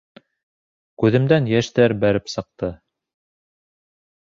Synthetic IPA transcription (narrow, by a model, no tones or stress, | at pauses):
kʉðɘ̆md̪ænjæʃt̪æɾbæɾɘpsɤ̆q̚t̪ɤ